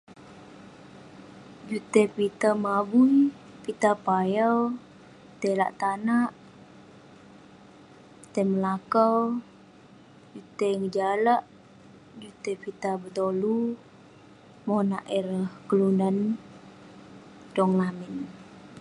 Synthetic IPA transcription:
d͡ʒut̪epit̪amabuj | pit̪apajaw | t̪ela̰ʔt̪anaʔ | it̪eməlakəw | d͡ʒut̪eŋəd͡ʒalaʔ | d͡ʒut̪epit̪abət̪olu | monaʔɛɾəhkəlundan | dɔŋlamɪn

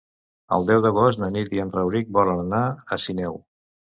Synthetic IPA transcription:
ə̰lˠd̪ɛwðəɣosnəniiənrəwɾik̚bɔlənənaəsinɛw

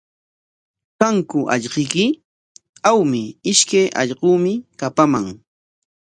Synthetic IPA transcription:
kaŋkʊʔɑ̰ʎqɪkɪ | awmɪɪʃkajʔɑ̰ʎɢuːmɪkapamaŋ

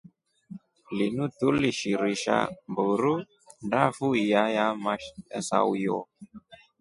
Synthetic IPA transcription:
linutuliʃiɾiʃa̰mboɾu | ndafuijajamasa̰wjɔ̰

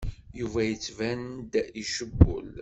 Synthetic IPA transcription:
juvæjət͡sːvænd̪iʃəbːʊ̰l

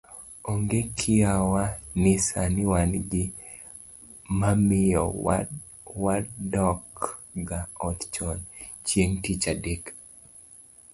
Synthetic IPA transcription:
ɔŋɡekʰɪawanɪsanɪwanɡɪ | mamɪjɔ | wadɔkɡaɔtt͡ʃɔnt͡ʃjeŋtit͡ʃadek

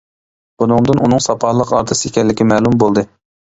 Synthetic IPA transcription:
b̥unɨŋd̪ɨnunɨŋsɑpʰɑhlˠəqɑɾt̪ʰɨsikʲʰɛlːɪkʲɪmɛːlˠumbolˠd̪ɨ

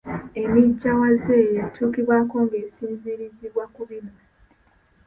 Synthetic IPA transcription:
e̞miɟːawazejetʰuːkiβwaːko̞ŋɡe̞ːsiːnziɾiziβwakuβina

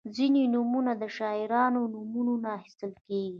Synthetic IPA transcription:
zinenumunad̪əʃɑɪɾɑnonumunonaxist̪əlkeɡi

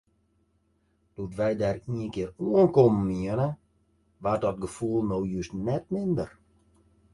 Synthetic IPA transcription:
d̥utʋɛjdaːriənkɪəroənkoməmiənə | ʋadɔt̚ɡəfulˠnoːjysnɛt̚mɪndər

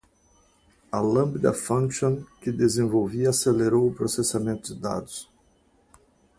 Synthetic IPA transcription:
ɐlɐ̃mbid̪ɐ̰fɐ̃ŋkʃõnkɪd̪ezẽvowviɐaseleɾowʊpɾosesamẽnt̪ʊd̪ɪd̪a̰d̪ʊs

